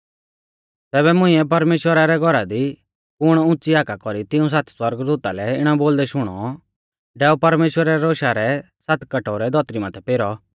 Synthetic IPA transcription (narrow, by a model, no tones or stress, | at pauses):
t̪ɛːbɛmʊ̃ĩɛpɐɾmeːʃwəɾaɾɛɡʱɔɾad̪i | pʊɽ̃ʊ̃t͡siaːkakɔɾit̪ɪũs̬at̪swɐɾɡd̪uːt̪alɛɪɽ̃aboːld̪ɛʃʊɽ̃ɔ̰ | ɖɛːupɐɾmeːʃwəɾaɛɾoːʃaɾɛ | sat̪ʰkɐʈɔɾɛd̪ʱɔt̪ɾimat̪ʰɛpeːɾɔ